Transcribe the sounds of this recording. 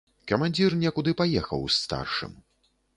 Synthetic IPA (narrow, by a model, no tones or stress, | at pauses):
kɐmanʲd͡zʲirnʲɛkud̪ɨpajɛxɐ̰wst̪a̰rʂɨ̰m